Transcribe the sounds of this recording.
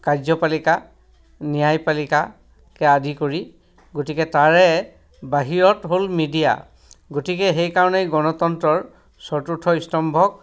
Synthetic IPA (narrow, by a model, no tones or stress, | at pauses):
kazɔpalika | nijajpalika | kɛadʱikoɹi | ɡotikɛtaɹɛ | baɦiɹɔtɦolmidija̰ | ɡotikɛɦejkaɹɔnejɡɔnɔtɔntɹɔɹ | sɔɹtutʰːɔistɔmbʱɔk̚